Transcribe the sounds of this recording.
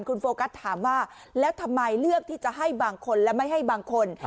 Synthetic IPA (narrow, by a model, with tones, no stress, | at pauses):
nkʰu˧nfoː˧ka˦˥t̪ʰːaː˩˦mwaː˥˩ | lɛː˦˥wt̪ʰa˧mːa˧jlɯ˥˩ək̚t̪ʰiː˥˩t͡ɕa˨˩ʔɦa˥˩jbaː˧ŋkʰo˧nlɛ˦˥wma˥˩jɦa˥˩jbaː˧ŋkʰo˧n